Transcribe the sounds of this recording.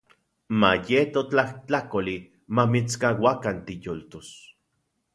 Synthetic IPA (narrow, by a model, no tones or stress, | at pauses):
majet̪ot͡ɬaht͡ɬakoli | mamit͡skawakant̪ijolt̪os